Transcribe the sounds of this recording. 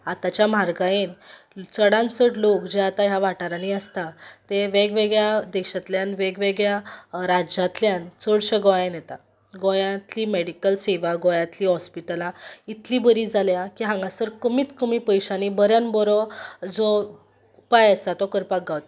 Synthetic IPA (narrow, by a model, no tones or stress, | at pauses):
at̪at͡ɕjam̤aɾɡãjen | t͡səɽãnt͡səʈlokd͡ʑeat̪aɦjaʋaʈaɾaniəst̪at̪eʋeɡʋeɡɭjad̪ɛɕat̪ljanʋeɡʋeɡɭjaɾad͡ʑat̪ljant͡səɽɕəɡɔjenjet̪a | ɡɔjãt̪liːmeɽikəlseʋaɡɔjãt̪liːɦɔspiʈəlãit̪libəɾiːd͡zaljakiɦãŋɡãsəɾkəmiːt̪kəmipəjɕanibəɾjanbɔɾɔd͡zɔ | upajəst̪at̪ɔkəɾpakɡawt̪̚